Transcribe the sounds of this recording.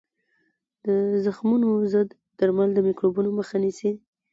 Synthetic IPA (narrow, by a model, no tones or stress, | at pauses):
d̪̥əzəxmunozəd̪ːaɾmald̪əmikɾobunoməxanisi